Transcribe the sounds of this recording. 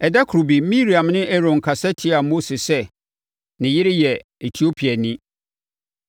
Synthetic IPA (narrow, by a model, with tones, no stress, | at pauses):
ɛ˨da˦kʰɾu˨bi˨mĩ˦ɾi˨ã˨mnɪ̃˦ʔɛ˦ɾɔ̃˨ŋ˨kʰa˨sɛ˦tʰɪ˦a˨mo˦sɪ˨sɛ˦ | nɪ̃˨jɪ˦ɾɪ˦jɛ˨e˨tʰi˨˦o˦pʰi˨a˨nɪ̃˦